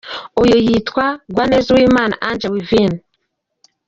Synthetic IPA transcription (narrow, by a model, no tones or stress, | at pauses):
ojojitwaɡwaːneːzawiːmaːna̰ʔand͡ʒawivin